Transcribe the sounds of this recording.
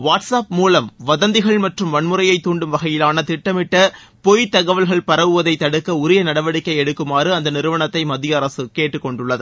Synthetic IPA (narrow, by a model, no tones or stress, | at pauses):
ʋaːʈsaːp̚muːlɐmʋɐðɐnd̪ɪɣɐɭmɐʈrɯmʋɐɳmɯɾɐjɐɪt̪ːuːɳɖɯmʋɐɣɐjɪlaːnɐt̪ɪʈːɐmɪʈːɐ | pɔjt̪ːɐɣɐʋɐlɣɐɭpɐɾɐʋɯʋɐðɐɪt̪ːɐɽɯkːɐʊɾɪjɐnɐɽɐʋɐɽɪkːɐɪɛɽɯkːɯmaːrɯɐnd̪ɐnɪɾɯʋɐɳɐt̪ːɐɪmɐðɪjɐːɾɐsɯkeːʈːɯkːɔɳɖɯɭːɐðɯ